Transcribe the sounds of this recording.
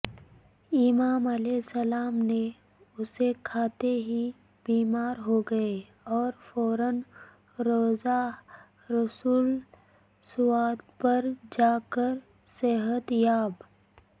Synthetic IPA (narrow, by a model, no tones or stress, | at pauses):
ɪmaːmɐleːsɐlaːmne | ʊsekʰaːt̪eɦi | biːmaːɾɦoɡɐe | ɔːɾfɔːɾən | ɾoːza | ɾɐsuːl | sʊwaːd̪pɐɾd͡ʒaːkəɾ | sɛɦət̪jaːb